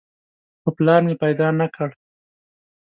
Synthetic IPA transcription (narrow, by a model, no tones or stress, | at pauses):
xoplɑɾmepajd̪ɑnakəɽ